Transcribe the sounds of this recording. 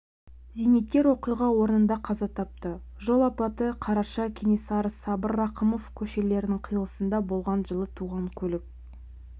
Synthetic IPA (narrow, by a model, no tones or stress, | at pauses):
zijnet̪̚kʲːe̞ɾwo̞qijʁɑwo̞ɾənənd̪ɑqʰɑzɑt̪ʰɑp̚t̪ə | ʒo̞lˠɑpɑt̪əqʰɑɾɑʃɑkʲʰenesɑɾəsɑbəɾːɑqəmo̞fkʲʰɵʃe̞le̞ɾɪnɪŋqʰijəlˠə̥sənd̪ɑbo̞lˠʁɑnʒəlˠət̪ʰuʁɑŋkʲʰɵlɪk̚